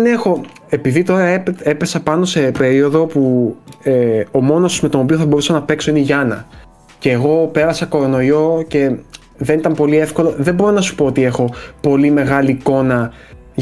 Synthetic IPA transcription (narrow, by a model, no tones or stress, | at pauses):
nexo̞ | e̞piðit̪o̞ɾɐepe̞pe̞sɐpɐno̞se̞pe̞ɾio̞ðo̞pueo̞mo̞nosuzme̞t̪o̞nopio̞θɐbo̞ɾusɐnɐpe̞kso̞iniʝɐnɐ | ce̞ːɣo̞pe̞ɾɐsɐko̞ɾo̞no̞jo̞ce̞ | ðe̞nit̪ɐmpo̞lie̞fko̞loðe̞bo̞ɾo̞nɐsu̥po̞ot̪iexo̞po̞lime̞ɣɐliːko̞nɐ